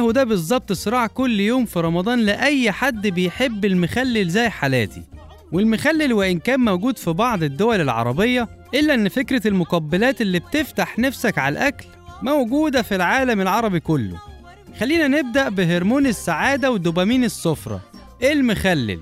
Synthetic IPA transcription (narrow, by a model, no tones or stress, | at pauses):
hud̪æbezˤːɑb̚t̪ˤsˤɨɾˤɑːʕkʊlːjoːmfiɾˤɑmɑd̪ˤɑːnlɪʔæjːħad̪ːbejħebːelmʊxælːɪlzæːjħalæ̰ːt̪ḭ | welmʊxælːelweʔɪnkæːnmæwɡuːd̪fibɑʕd̪ˤed̪ːowælelʕɑ̰ɾˤɑbejːɑʔelːæʔenːfekɾælmoqɑbːælæːt̪elːiːb̚t̪eft̪aħnæfsækʕalʔækl | mæwɡuːd̪æfilʕaːlæmelʕɑɾˤɑbikolːo̰ | xælːiːnæneb̚d̪æʔbeɦeɾmuːnesːaʕaːd̪æwed̪ːobæmiːnesːofɾˤɑ̰ | ʔelmʊxælːḛl